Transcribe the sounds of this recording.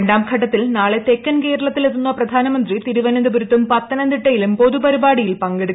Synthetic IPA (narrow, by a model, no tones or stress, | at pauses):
ɳɖaːmkʰɐʈ̬ːɐt̪ːilnaːɭet̪ekːɐnke̞ːɾɐɭɐt̪ːilet̪ːunːɐprɐd̪ʱaːnɐmɐnd̪rit̪iɾuʋɐnɐnd̪ɐbuɾut̪ːumpɐt̪ːɐnɐnd̪iʈːɐjilumpo̞ðupɐɾibaːɽijilpɐŋɡeɽukː